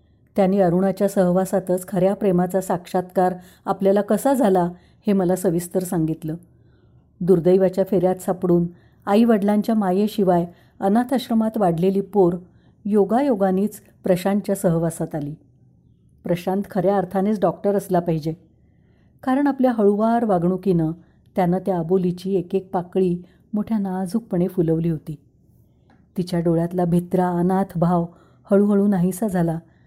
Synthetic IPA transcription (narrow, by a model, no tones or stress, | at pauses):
t̪janːiːəɾuɳ̃at͡ɕjasəɦʋasat̪ət͡skʰəɾjapɾemat͡sasakʂat̪kaɾ | apljalakəsad͡zʱala | heməlasəʋist̪əɾsaŋɡit̪ləː | d̪uɾd̪əjʋat͡ɕjafeɾjat̪sapɽuːn | aiʋəɽlaɲt͡ɕjamajeɕiʋaj | ənat̪ʰəɕɾəmat̪ʋaɽ̤leliːpoɾ | joɡajoɡaniːt͡s | pɾəɕant͡ɕjasəɦʋasat̪aliː | pɾəɕant̪kʰəɾjaəɾt̪ʰanet͡sɖɔkʈəɾəslapaɦid͡ʑe | kaɾəɳapljaɦəɭuʋaɾʋaɡɳuːkinə | t̪janːət̪jaəbolit͡ɕiːekek̚pakɭiː | moʈʰjanad͡zʱuk̚pəɳefuləʋliːɦot̪iː | t̪it͡ɕjaɖoɭjat̪labʱit̪ɾaənat̪ʰbʱaʋ | həɭuːɦəɭũːnaɦĩsəd͡zʱala